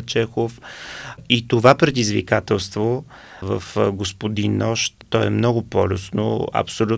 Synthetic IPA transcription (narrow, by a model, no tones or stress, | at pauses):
t͡ʃɛxof | it̪ovapɾɛd̪izvḭkat̪ɛlˠst̪vo | və̰fɡospod̪inːɔʃt̪t̪ɔɛmnɔɡʊpɔlʲʊsno̰ɐ̰psolʲu